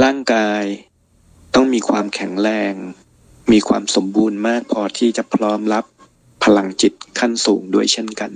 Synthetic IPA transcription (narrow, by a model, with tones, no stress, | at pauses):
ɾaː˥˩ŋkaː˧j | t̪ɔ˥˩ŋmiː˧kʰwaː˧mkʰɛ˩˦ŋɾɛː˧ŋ | miː˧kʰwa̰ː˧mso˩˦mbuː˧nmaː˥˩k̚pʰɔː˧t̪ʰiː˥˩t͡ɕa˨˩pʰɾɔː˦˥mla˦˥pʰː | a˧la˧ŋt͡ɕi˨˩t̪̚kʰa˥˩nsuː˩˦ŋdu˥˩əjt͡ɕʰe˥˩nka˧n